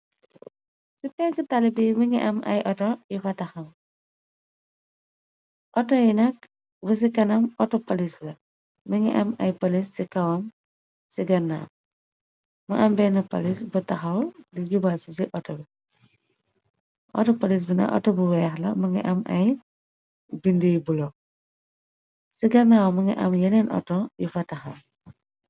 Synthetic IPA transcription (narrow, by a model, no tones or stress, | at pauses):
sipɛŋkitalibimiŋḭʔɐmʔɐ̰jʔɔtɔjifɐtɐxɐm | ʔɔtɔjinɐk̚ | bus̬ikɐnɐmɔtɔpolislɐ | miŋḭʔɐmɐjpolisːikɐwɐm | siɡɐnːa̰m | mɐʔɐmbɛnɐpɐ̰lisbɐtɐxɐwliɟubalsis̬iʔɔtɔbi | ʔɔ̰tɔpɐlis̬binɐ̰kʔɔ̰tɔbuwɛːxlɐ̰mɐŋḭʔɐmɐ̰j | bindijbulo | siɡɐnːawɐmɐŋḭʔɐ̰mjɐnɛnʔɔ̰tɔjifɐtɐxɐw